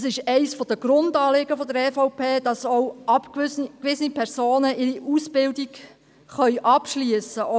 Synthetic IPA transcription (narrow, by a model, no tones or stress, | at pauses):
sɪʃɛɪsfɔd̥̪əɡ̥ɾʊndɑːlɪɡəfɔd̪əɾɛfɔʊpʰeːd̥ɑsɔwʔɑpkkʋɪsənipʰɛɾsoːnəʔɪɾiʔusb̥ɪldik | χœʏʔɑpʃliəsəʔɔ